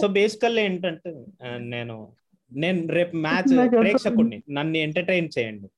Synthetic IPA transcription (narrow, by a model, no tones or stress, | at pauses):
soːbe̞ːsi̥kɐleːɳʈɐɳʈene̞ːnṵ | ne̞ːnuɾeːpmaːt͡ʃɾeːkʂɐkuɳːinɐnːieɳʈɐɾʈejnt͡ʃɛːjɐɳɖi